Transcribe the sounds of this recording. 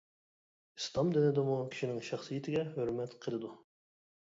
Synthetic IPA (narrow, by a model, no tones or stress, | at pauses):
ist̪ˠɑmd̪ɪnɪd̪ɪmukʲʰi̥ʃinɪŋʃɑχsɨjit̪ʰɪɡʲɛɦøɾmɛt̪qʰəlˠɨd̪u